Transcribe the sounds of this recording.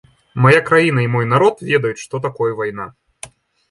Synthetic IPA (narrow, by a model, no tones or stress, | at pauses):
majakɾajinɐimɔjnaɾɔt̪vʲɛd̪ɐjut̪ʂt̪ɔt̪akɔjəvajna